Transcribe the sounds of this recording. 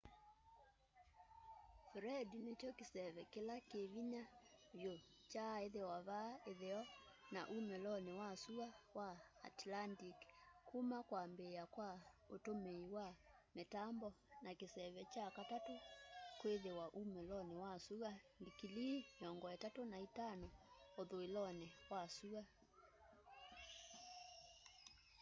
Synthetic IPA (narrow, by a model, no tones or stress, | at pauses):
fɾɛdinet͡ʃɔkesɛβɛkelakeβiɲaβjo | t͡ʃaeðewaβaeðeɔna̰ʔumɛlɔnewasuɣawa̰ːtlantikkumakwambeakwaotomeiwamɛtambɔ | nakesɛβɛt͡ʃakatatokweðewaʔumɛlɔnɛwasuɣandikilimeɔŋɡɔɛtatonaitanɔoðoelɔnɛwasuɣa